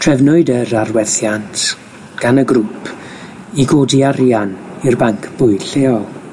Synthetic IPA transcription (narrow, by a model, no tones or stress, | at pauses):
tʰr̥ɛvnʊɨdəɾarwɛθjantʰ | ɡ̥anəɡrupʰ | iɡoːdiarjanirbaŋkʰb̥ʊɨɬeːɔlˠ